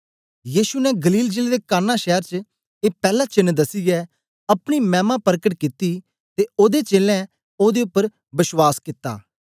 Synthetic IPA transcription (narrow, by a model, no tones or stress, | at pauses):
jiːʃunɛɡəliːld͡ʒeːled̪eːkaːnãːʃɛːəɾt͡ʃə | eːpɛːlaːt͡ʃɪnːd̪əsɪjɛ | ɐpɽ̃imɛ̃ːmãːpəɾkəʈkɪt̪i | t̪eoːd̪et͡ʃeːlɛ̃ | oːd̪eʊpːəɾ | bɪswaːskɪt̪ːa̰ː